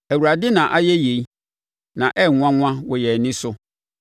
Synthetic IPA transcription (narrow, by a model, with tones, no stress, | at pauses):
æ˨wu˨ɾa˨dɪ˦nã˨ʔa˦jɛ˦je˨i˦ | nã˨ʔɛ˦˨ŋ̃ʷ˦ã˦ŋ̃ʷ˦ã˦wɔ˨jɛ˨nɪ̃˦sʊ˦